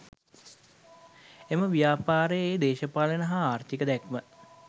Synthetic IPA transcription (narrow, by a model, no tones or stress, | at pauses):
eməʋijaːpaːɾəjeːd̪eːʃəpaːlənəɦaaːrt̪ʰikəd̪ɛkmə